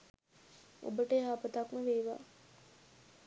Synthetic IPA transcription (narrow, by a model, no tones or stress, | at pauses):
o̰bəʈəɦaːpət̪akməʋeːʋa̰ː